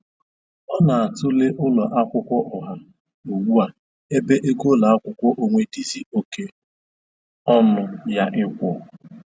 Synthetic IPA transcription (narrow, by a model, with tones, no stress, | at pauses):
ɔ˦na˨a˨tʊ˦le˦ʔʊ˦lɔ˨ʔa˦kʷʊ˦kʷɔ˦ʔɔ˨ɦa˦ | o˨wu˦a˨ | e˦be˦ʔe˦ɡo˦la˨a˦kʷʊ˦kʷɔ˦ʔo˨ŋʷe˨di˦zi˦o˨ke˦ | ɔ˦mʊ˨ja˦ʔɪ˦kʷɔ˨